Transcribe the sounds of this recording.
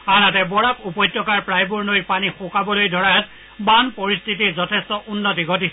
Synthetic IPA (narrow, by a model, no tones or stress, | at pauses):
anatɛbɔɹakupɔjtːjɔkaɹpɹajbuɹnojɹpanixʊkabɔlojdʱɔɹaat̚ | banpɔɹistʰit̬izɔtʰɛstɔʔunːot̬iɡʱot̬is